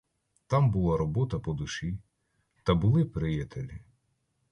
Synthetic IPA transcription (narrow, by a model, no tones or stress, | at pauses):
t̪ɑmbʊlˠɑɾɔbɔt̪ɐpɔd̪ʊʃi | t̪ɐbʊlˠɪpɾɪjɐt̪elʲi